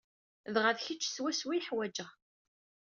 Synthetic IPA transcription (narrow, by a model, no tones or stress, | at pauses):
ðʁəðçət͡ʃːswæswiħwæd͡ʒəʁ